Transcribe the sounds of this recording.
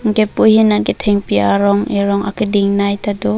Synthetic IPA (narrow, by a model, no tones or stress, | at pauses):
ŋɡepujhinanɡetʰɛŋpiaɾɔŋeɾɔŋa̰kidiŋnajtadɔ